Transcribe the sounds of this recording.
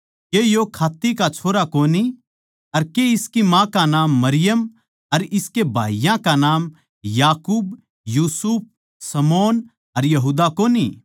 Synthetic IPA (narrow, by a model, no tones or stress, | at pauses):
kejokʰaːt̪ːikat͡ʃʰoːɾakoːni | ɐɾkeɪskimãkanaːmːɐɾɪjəm | ɐɾɪskebʱa̰ːijãkanaːm | jaːkuːb | juːsup̚ | sɐmoːn | ɐɾjɐɦuːd̪akoːni